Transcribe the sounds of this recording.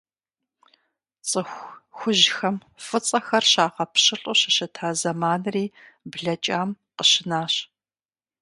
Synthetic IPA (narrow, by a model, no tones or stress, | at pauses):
t͡sʼɨxʷxʷʊʒxɐm | fɨt͡sʼɐxɐrɕaːʁɐpɕɨɬʼʊɕɪɕɐtʰaːzɐmaːnriː | bɮɐt͡ʃʼaːm | qəɕɪnaːɕ